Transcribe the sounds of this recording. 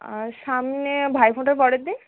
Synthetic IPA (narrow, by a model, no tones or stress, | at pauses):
ʃamnebʱajpʰõʈaɾbɔɽed̪i